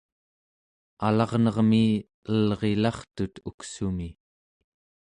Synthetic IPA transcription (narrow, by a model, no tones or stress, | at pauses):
alɑʁnʌʁmiː | əlʁe̞lɑχt̪ut̪uksumi